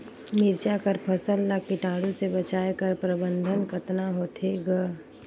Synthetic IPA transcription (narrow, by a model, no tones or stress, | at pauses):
mɪɾt͡ʃakəɾpʰəsəlːakɪʈaːɽũsebət͡ʃaːekəɾpɾəbə̃nd̪ʱənkət̪naɦoːt̪ʰeɡa